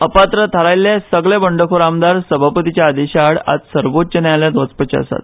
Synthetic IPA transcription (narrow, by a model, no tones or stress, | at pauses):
əpat̪ɾət̪ʰəɾajlːesəɡɭebəɳɖəkʰoɾamd̪aɾsəbʱapət̪it͡ɕjaːd̪eɕaɽa̰d͡zsəɾʋotːt͡ɕənjaljad̪ʋət͡spət͡ɕḛə̰sa̰t̪̚